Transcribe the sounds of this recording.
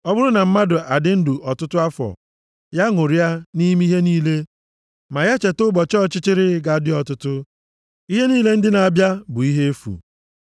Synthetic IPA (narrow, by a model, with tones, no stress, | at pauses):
ɔ˦bʊ˦ɾʊ˦na˨m̩˦ma˦dʊ˨ʔa˨dɪ˦n̩˦dʊ˨ʔɔ˨tʊ˦tʊ˦a˦fɔ̰˨ | ja˦ŋʊ˨ɾi˦a˦ni˦m˦i˦ɦe˦niː˦le˦ | ma˨ja˦t͡ʃe˨tʊ˦bɔ˨t͡ʃɔ˦t͡ʃɪ˦t͡ʃɪ˦ɾɪ˦ɡa˨˦dɪ˦ɔ˨tʊ˦tʊ˦ | i˦ɦe˦niː˦le˦n̩˦dɪ˦na˨a˨bja˦bʊ˨i˦ɦe˦e˦fṵ˨